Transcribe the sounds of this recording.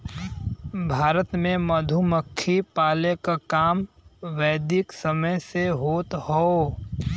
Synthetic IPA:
bʱaːɾət̪mẽməd̪ʱuməkʰːipaːlekakaːmʋɛːd̪ɪksəməjseɦoːt̪hoː

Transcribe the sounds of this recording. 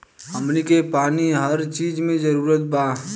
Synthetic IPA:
ɦəmnikepaːniɦəɾt͡ʃiːd͡ʒmẽd͡ʒəɾuːɾət̪̚ba

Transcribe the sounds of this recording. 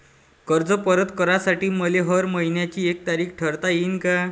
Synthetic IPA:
kəɾd͡zəpəɾət̪kəɾasaʈiːməleɦəɾməɦinjat͡ɕiːek̚t̪aɾiːkʰʈʰəɾt̪ajiːnka

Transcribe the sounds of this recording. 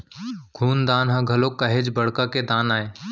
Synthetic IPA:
ɡʰʱuːnd̪aːnɦãːɡʱəloːkəɦed͡ʒbəɽkaːked̪aːnaːeː

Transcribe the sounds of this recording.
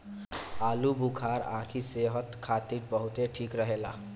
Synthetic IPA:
alubukʰaɾã̰kʰiseɦət̪kʰat̪iɾ̚bəɦut̪eʈʰikɾəɦela̰

